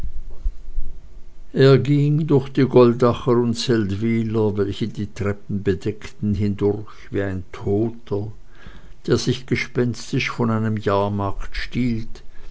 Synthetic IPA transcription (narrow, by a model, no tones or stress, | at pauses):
ʔeːɐɡiŋdʊɐçd̥iːɡɔldaχəʊntt͡sɛltv̥iːlɐvɛlçədiːtʁ̥ɛp̚n̩bədɛktn̩ɦɪndʊʁçv̥iːaɪntʰoːtʰə | d̥eːɐzɪçɡ̥əʃpɛnstɪʃfɔnaɪnəmjaːɐmaɐktʃtiːlt